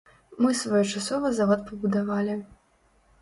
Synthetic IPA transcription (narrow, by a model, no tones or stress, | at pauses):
mɨsvajɔt͡ʂasɔvɐzavɔt̪pɐbud̪avalʲi